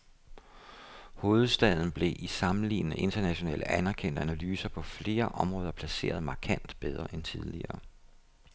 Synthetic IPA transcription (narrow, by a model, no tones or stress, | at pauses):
ho̝ːð̞̩ˠsd̥ɛð̞̰ˠn̩b̥le̝ʔisɑ̈mn̩lḭːnənəʔe̝nd̥ɐnæɕo̝nɛ̰ːldænæɐkʰen̰d̥əænælyːsɐpʰɒ̽fle̝ːɐʔɒ̽mʁɔ̽ːð̞ˠɐpʰlæse̝̰ːɐð̞̩ˠmɑ̈ːkʰæn̰d̥b̥eð̞ˠʁɐʔent͡sʰið̞ˠliɐː